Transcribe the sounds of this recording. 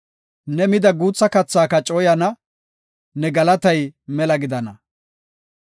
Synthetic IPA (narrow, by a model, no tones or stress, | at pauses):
nɛmɪd̪ɐɡuːt͡sːɐkɐt͡sːaːkɐt͡ʃʼɔjɐnɐ | nɛɡɐlɐt̪ɐjmɛlɐɡɪd̪ɐnɐ